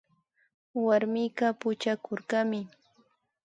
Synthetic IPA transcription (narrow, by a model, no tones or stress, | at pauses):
waɾmɪjɢɑpʊt͡ʃakoɾɢɑmɪ